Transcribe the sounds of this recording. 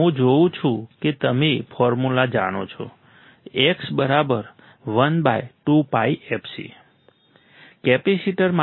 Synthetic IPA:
ɦũd͡ʒoũt͡ʃʰũket̪əmefʰɔɾmulad͡ʒa̰ɽ̃o̰t͡ʃʰɔ̰ | eksbəɾabəɾ | ʋənbajʈupaiɛpsḭ | kɛpɛsiʈəɾma

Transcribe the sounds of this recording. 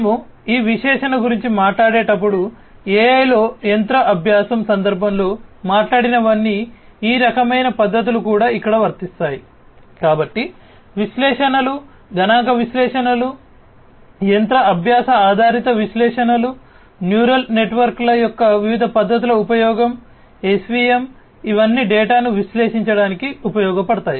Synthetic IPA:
nemuiːʋiʃɛːʂɐnɐɡuɾiɲt͡ʃimaːʈlaːɽeːʈɐp̬ːuɽu | eːjlo̞ːjent̪ɾɐʔɐbʱjaːsɐmsɐnd̪ɐɾbʱɐmlo̞ːmaːʈlaːɽinɐʋɐnːiiːɾɐkɐmɐjnɐpɐd̪ʱːɐt̪̬ulukuːɽaːikːɐɽɐʋɐɾt̪ist̪aːji | kaːbɐʈːi | ʋiʃlɛːʂɐnɐlu | ɡɐnaːŋkɐʋiʃlɛːʂɐnɐlu | jent̪ɾɐɐbʱjaːsɐaːd̪ʱaːɾit̪ɐʋiʃlɛːʂɐnɐlu | njuːɾɐlne̞ʈʋɐɾklɐjɔkːɐʋiʋid̪ʱɐpɐd̪ʱːɐt̪̬ulɐupɐjɔːɡɐm | esʋiːem | iʋɐnːiɖɛːʈaːnuʋiʃlɛːʃiɲt͡ʃɐɽaːnikiupɐjɔːɡɐpɐɽɐt̪aːji

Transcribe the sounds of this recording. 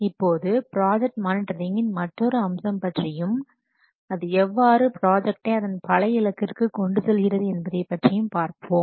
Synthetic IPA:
ɪpːoːðɯpɪɾaːd͡ʒɛk̚ʈmaːnɪʈɐɾɪŋɡɪnmɐʈːɔɾɯɐmsɐmpɐʈrɪjɯm | ɐðɯɛʋːaːɾɯpɾaːd͡ʒɛk̚ʈeːɐðɐnpɐlɐjɪlɐkːɪrkɯkɔɳɖɯsɔlɣɪrɐðɯɛnbɐðɐɪpːɐʈrɪjɯmpaːɾpoːm

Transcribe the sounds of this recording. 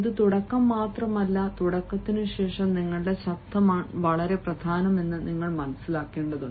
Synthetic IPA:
ðɨt̪uɽɐkːɐmːaːt̪rɐmɐlːɐt̪uɽɐkːɐt̪ːinɨɕe̞ːʂɐmniŋːɐɭɨɽe̞ɕɐɐmaːɳʋɐɭɐɾe̞prɐd̪ʱaːnɐme̞nːɨniŋːɐɭmɐnɐsːilaːkːeːɳɖɐðu

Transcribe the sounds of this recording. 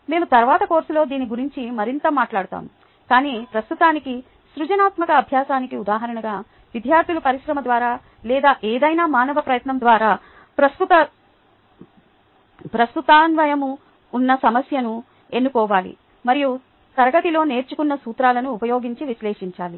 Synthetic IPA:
me̞ːmut̪ɐɾʋaːt̪ɐko̞ːɾsulo̞ːd̪iːniɡuɾiɲt͡ʃimɐɾint̪ɐmaːʈlaːɽut̪a̰ːmu | kaːniːpɾɐst̪ut̪aːniki | sɾut͡ʃɐnaːt̪mɐkɐːbʱjaːsaːnikiud̪aːɦɐɾɐɳɐɡaː | ʋid̪ʱjaːɾt̪ʰilupɐɾiʃɾɐmɐd̪ʋaːɾaː | lɛːd̪aːʔeːd̪ɐjnaːmaːnɐʋɐpɾɐjɐt̪nɐmd̪ʋaːɾaː | pɾɐst̪ut̪ɐ | pɾɐst̪ut̪aːnʋɐjɐmuː | nːɐsɐmɐsjɐnu | e̞nːukɔːʋaːlḭ | mɐɾiju | sɐɾɡɐt̪ilo̞ːne̞ːɾt͡ʃukunːɐsuːt̪ɾaːlɐnuːpɐjo̞ːɡiɲt͡ʃiʋiʃlɛːʂiɲt͡ʃaːli

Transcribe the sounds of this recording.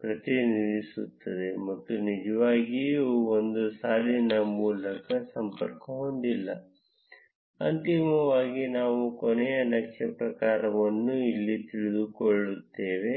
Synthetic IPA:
pɾɐt̪iniɾisut̪ːɐd̪e̞mɐt̪ːunid͡ʒɐʋaːɡiond̪usaːlinɐmuːlɐkɐsɐmpɐ̰ɾkɐɦoɳɖ̪ilːɐ | ɐnt̪imɐʋaːɡinaːʋukɔnɛjɐnɐkʂɐpɾɐkaːɾɐʋɐnːuilːit̪iɭid̪ukoɭːut̪ːeːʋe̞

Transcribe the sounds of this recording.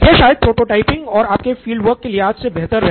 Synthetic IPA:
jeʃaːjəd̪̚pɾoːʈoːʈaːɪpɪ̃ŋɡɔːɾaːp̚kefiːlɖʋəɾkːelieaːd͡ʒsebɛɦt̪əɾɛɦ

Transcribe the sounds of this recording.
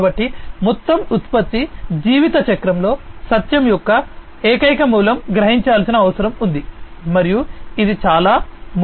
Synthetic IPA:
bɐʈːimɔt̪ːɐmut̪pɐt̪ːid͡ʒiːʋit̪ɐt͡ʃɐkɾɐmlo̞ːsɐt̪jɐmjɔkːɐ | eːkɐjkɐmuːlɐmɡɾɐɦiɲt͡ʃaːlsinɐːʋɐsɐɾɐmund̪imɐɾijuid̪it͡ʃaːlaːm

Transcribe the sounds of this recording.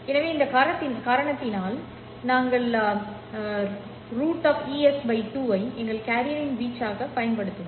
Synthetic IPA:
ɛnɐʋeːɪnd̪ɐkaːɾɐɳɐt̪ːɪnkaːɾɐɳɐt̪ːɪnaːl | naːŋɡɐɭ | ɾuːʈːaːfiːɛsbɐɪʈuːʋɐɪɛŋɡɐɭkaːɾɪjɐɾɪnʋiːt͡ʃːaːɣɐpɐjɐnpɐɽɯt̪ːɯm

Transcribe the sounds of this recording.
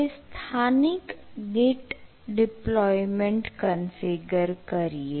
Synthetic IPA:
st̪ʰaːnɪkɡeːʈ | ɖɪplɔːjmẽɳʈkənfɪɡəɾkɐɾieː

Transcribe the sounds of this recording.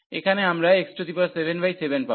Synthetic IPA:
ekʰaneamɾaeksʈɾod̪ipasebenbajsebenpa

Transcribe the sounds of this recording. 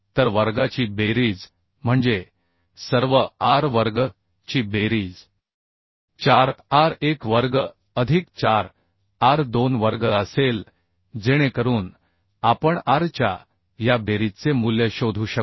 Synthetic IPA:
t̪əɾʋəɾɡat͡ɕiːbeɾiːd͡z | m̤əɳd͡ze | səɾʋəaɾʋəɾɡə | t͡ɕiːbeɾiːd͡z | t͡ɕaɾaɾekʋəɾɡə | əd̪ʱikt͡ɕaɾ | aɾd̪onʋəɾɡəəsel | d͡zeɽ̃ekəɾuːn | apəɳaɾt͡ɕa̰ | jabeɾit͡semuljəɕod̪ʱuːɕə

